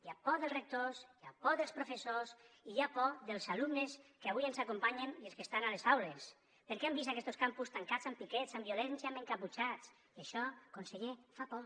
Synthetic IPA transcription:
iapɔðelˠzrek̚t̪osiapɔðelˠspɾufesosiapɔðelˠzalumneskeaβujensakumpaɲenielˠskest̪analezawles | peɾkɛambist̪akɛst̪oskampust̪aŋkat͡sampikɛt͡sambiulɛnsjameŋkaput͡ʃat͡s | iaʃɔkonseʎefapɔ

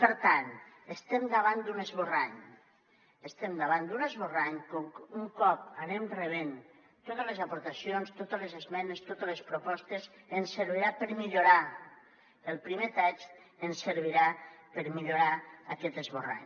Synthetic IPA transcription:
pəɾt̪an | əst̪ɛmd̪aβand̪unəzβoraɲ | əst̪ɛmd̪aβand̪unəzβoraɲkoŋkuŋkɔp̚aɾemreβen | t̪ot̪əlezapoɾt̪asjonst̪ot̪əlezezmɛnest̪ot̪əlespɾopɔst̪ezensəɾβ̞iɾapəɾmiʎoɾa | əlˠpɾimet̪at͡ʃ | ənsəɾβ̞iɾapəɾmiʎoɾaakɛt̪əzβora̰ɲ

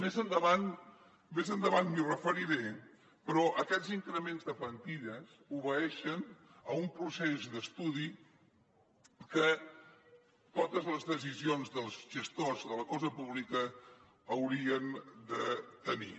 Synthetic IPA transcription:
mezənd̪əβan | mezənd̪əβanmirəfəɾiɾe | pɾɔʔəkɛziŋkɾəmenzðəfənt̪iʎəs | uβəɛʃən | əumpɾusezd̪əst̪uði | kə | t̪ot̪əzləzðəz̬izionzðəlˠzʒəst̪ozðələkɔzəpuβlikəː | wɾiənd̪ət̪ənḭ

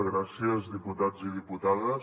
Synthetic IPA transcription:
ɣɾasjəzðiput̪ad͡ziðiput̪aðə

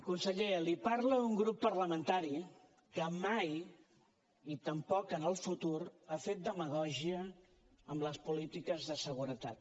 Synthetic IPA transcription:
kunsəʎelipaɾləuŋɡɾupːəɾləmənt̪aɾi | kəmaj | it̪əmpɔkənəlˠfut̪uɾafet̪̚d̪əməɣ̞ɔʒiə | əmləspulit̪ikəzðəsəɣ̞uɾət̪at̪̚

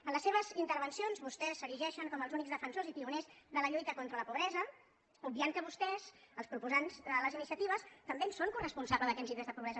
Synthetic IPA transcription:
ənləsːeβ̞əzint̪əɾβənsionzβust̪ɛsːəɾiʒɛʃəŋkɔməlˠzunikzðəfənsozip̪iunezðələʎujt̪əkont̪ɾələpuβɾɛzə | ub̚biaŋkəβust̪ɛzəlˠspɾupuzanzd̪ələzinisiət̪iβ̞əst̪əmbensoŋkurəspunsaβləðəkɛnziðezðəpuβɾɛzə

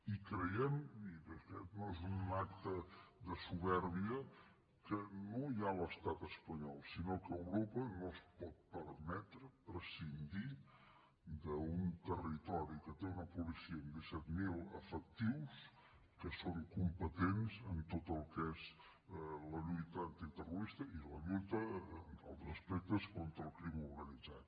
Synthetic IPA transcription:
ikɾəjɛmiɾəkɛ̰noezunnak̚t̪əd̪əsuβɛɾβiə | kənojaləst̪at̪əspəɲɔlˠsinokəwɾopənospɔt̪̚pəɾmɛt̪ɾəpɾəsind̪i | d̪əunt̪ərit̪ɔɾikət̪eunəpulisiəːnd̪əsɛt̪milˠə̰fək̚t̪iws | kəsoŋkumpət̪enzənt̪ot̪əlˠkez | ləʎujt̪ənt̪it̪əruɾist̪əiləʎujt̪əə̰lˠzəspɛk̚t̪əskont̪ɾəlˠkɾimuɾɣənid͡zat̪

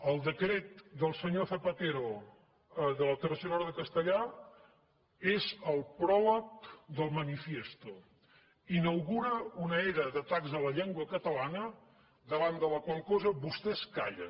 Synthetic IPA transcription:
əlˠd̪əkɾet̪̚d̪əlˠsəɲoθəpət̪eɾo | ðələt̪ərəsionɔɾðəkəst̪əʎa | ezəlˠpɾɔlək̚d̪əlˠmənifjest̪u | inəwɣuɾəunəeɾəðət̪akzələʎeŋɡwəkət̪əlanə | d̪əβand̪ələkwalˠkɔzəβust̪ɛskaʎə̰

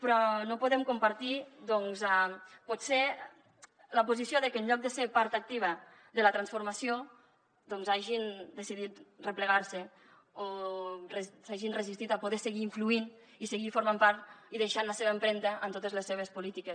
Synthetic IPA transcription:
pɾɔnopuðɛmkumpaɾt̪iðɔŋzapɔt̪se | ləpuzisjoðəkəːnʎɔk̚d̪əsepaɾt̪ak̚t̪iβ̞ə | ðələt̪ɾansfuɾmasio | ðɔnzaʒind̪əsiðit̪rəpləɣaɾsə | oresaʒinrəzist̪it̪apuðɛsəɣiːɱfluin | isəɣifuɾmampaɾt̪iðeʃanləseβəəmpɾɛnt̪əʔːmt̪ot̪əzləsːeβ̞əspulit̪ikəs

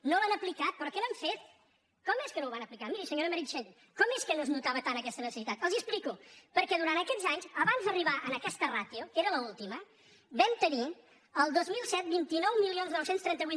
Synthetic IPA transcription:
nolənəplikat̪̚pɾɔkɛləɱfet̪̚ | kɔmeskənowβanəplikamiɾisəɲoɾəməɾiʃen | kɔmeskənoznut̪aβət̪anəkɛst̪ənəsəsit̪at̪əlˠziəsplikupəɾkɛðuɾant̪əkɛdzaɲzəβanzd̪əriβaʔənəkɛst̪ərat̪iukeɾələulˠt̪imə | bɛmt̪əni | əlˠd̪ozmilˠsɛt̪̚bint̪inɔwmilˠionznɔwsenst̪ɾɛnt̪əβi

